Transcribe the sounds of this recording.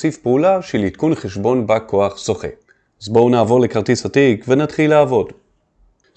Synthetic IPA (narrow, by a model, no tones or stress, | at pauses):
sifpeulaʃelitkunχeʃbo̞nbako̞aχsoχḛ | zbownaːvo̞ʁle̞kaʁt̪isatikvenatχilaːvo̞d